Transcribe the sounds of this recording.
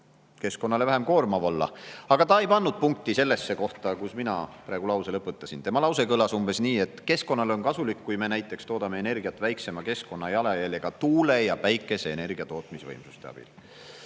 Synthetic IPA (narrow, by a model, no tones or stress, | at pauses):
ke̞sko̞nːɑle̞væɦe̞mko̞ːrmɑvolːɑ̰ɑɡ̥ɑt̪ɑe̞jpɑnːud̪̥̚puŋk̚t̪ise̞lːe̞sːe̞ko̞ht̪ɑkusminɑ̰pɾɑeɡ̥ulɑwselɤpːut̪ːˑɑsint̪e̞mɑlɑwse̞kɤlɑsumb̥e̞sniːe̞t̪ːˑke̞sko̞nːɑlo̞nkɑsulikːujme̞næjt̪ːˑe̞kst̪o̞ːd̪ɑmeene̞rɡ̥iɑt̪ːˑvæjkse̞mɑke̞sko̞nːɑjɑlɑjɑlʲjeɡ̥ɑt̪uːle̞jɑpæjkːˑe̞se̞ːne̞rɡ̥iɑt̪o̞ːt̪misvɤjmsust̪e̞ɑ̰b̥ḭl